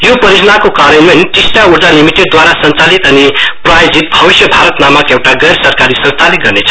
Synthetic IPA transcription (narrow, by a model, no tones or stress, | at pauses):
jopʌɾid͡znakokaɾʌnmenʈisʈauɾd͡zalimiʈeɖ̚d̪waɾasʌnt͡salit̪ʌniprajod͡zit̪̚bʱʌbisjʌbʱaɾʌt̪namʌkewʈaɡʌjɾsʌrkaɾisʌ̃nst̪ʰaliɡʌrnet͡sʰʌ